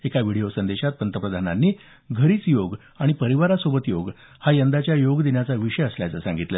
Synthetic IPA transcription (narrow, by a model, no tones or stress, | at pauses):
ekaʋiɽ̤ijosənd̪eɕat̪̚pənt̪əpɾəd̪ʱananːiː | ɡʱəɾiːt͡sjoɡ | aɽ̃ipəɾiʋaɾasobət̪joɡ | hajənd̪at͡ɕjajoɡd̪injat͡saʋiɕəjəsljat͡səsãŋɡit̪lə